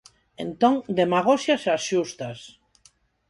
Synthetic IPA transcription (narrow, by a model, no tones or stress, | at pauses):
ẽnt̪õŋd̪emaɣ̞osjasasʃust̪as